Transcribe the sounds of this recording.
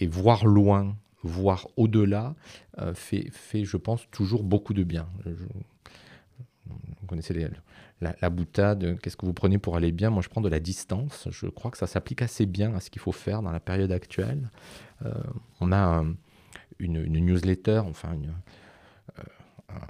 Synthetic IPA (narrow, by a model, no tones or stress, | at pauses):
evwaʁlwɛ̃ | vwaʁod̪əlaø̰fɛ̰fɛʒəpɑ̃st̪ʰuʒuʁbokud̪əbjɛ̃ʒə | vukɔneselelalabut̪ad̪kʲɛskəvupχənepuʁalebjɛ̃mwaʒəpχɑ̃d̪əlad̪ist̪ɑ̃sʒ̥ə̰kχwakə̥sasaplikasebjɛ̃asə̥kʲilfofɛʁd̪ɑ̃lapeʁjɔd̪akt̪ɥɛ̰lø̰ɔ̃naɛ̃ | yny̰nnjuzlet̪œʁɑ̃fɛ̰̃yn | ø̰ɛ̰̃